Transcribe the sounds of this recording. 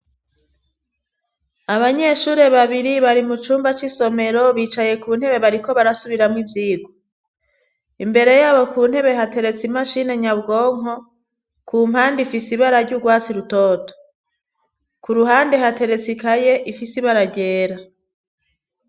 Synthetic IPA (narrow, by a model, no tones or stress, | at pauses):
aβaɲe̞ʃuːɾe̞βaβiɾiβaɾimut͡ʃuːmbat͡ʃiso̞me̞ɾo̞βiːt͡ʃaje̞kuːn̥he̞βe̞βaɾiko̞βaɾasuβiɾamŋivjiːɡo | imbe̞ɾe̞jaːβo̞kuːn̥he̞βe̞ɦate̞ɾe̞t͡simaʃine̞ɲabɡo̞ːŋ̥ɦo̞ | kʰuːm̥haːndifisiβaɾaɾɟuɡwaːt͡siɾutoːto̥ | kuɾuɦaːnde̞ɦate̞ɾe̞t͡sikajeʔifisiβaɾaɟeːɾa